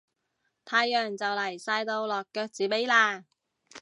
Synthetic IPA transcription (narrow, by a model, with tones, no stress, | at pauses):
t̪ʰaː˧jːœː˨˩ŋt͡sɐ˨wlɐ˨˩jsaː˧jt̪o˧wlɔː˨kːœː˧k̚t͡siː˨˥pe˨˥jlaː˧